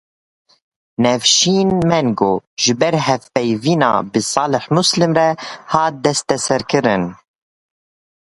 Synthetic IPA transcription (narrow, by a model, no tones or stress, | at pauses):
nɛfʃiːnmɛnɡoːʒɨbɛɾɦɛfpɛjviːnɑ̰ːbɨsɑːlɪħmuslɨmɾɛhɑːt̪̚d̪ɛst̪ɛsɛɾkɨɾɨn